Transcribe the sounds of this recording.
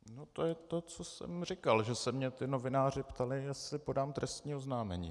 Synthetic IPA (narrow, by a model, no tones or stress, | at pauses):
not̪ojɛt̪o̞t͡so̞sɛ̰mrɪkalʒɛsɛmɲɛt̪ɪno̞vɪnaːrɪpt̪alɪjɛslɪpo̞daːmt̪ɾɛst̪ɲiːoznaːmɛɲḭː